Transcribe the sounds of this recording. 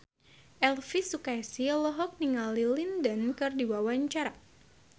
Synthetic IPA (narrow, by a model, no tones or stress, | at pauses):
ʔɛlfisukajsilɔɦɔk̚niŋalilindənkɨrdiwawaɲt͡ʃaɾa